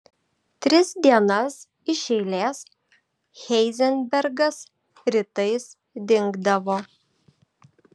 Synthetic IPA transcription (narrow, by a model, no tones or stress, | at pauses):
t̪ʲɾʲɪsd̪ʲiɛnɐs | ɪʃʲɛɪlʲeːs | xʲɛɪzʲɛnʲbʲɛɾɡɐs | ɾʲɪt̪ɐɪs | d̪ʲɪŋɡd̪ɐʋoː